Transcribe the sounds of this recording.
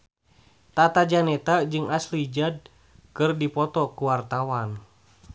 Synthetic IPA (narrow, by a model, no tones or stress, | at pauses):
t̪at̪ad͡ʒanɛt̪ad͡ʒɨŋaslid͡ʒad̚ | kɨrdipɔt̪ɔkuwart̪awan